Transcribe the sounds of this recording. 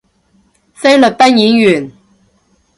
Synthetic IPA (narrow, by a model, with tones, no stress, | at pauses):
sɐ˥jlɵ˨k̚t̪ɐ˥njiː˨˥njyː˨˩n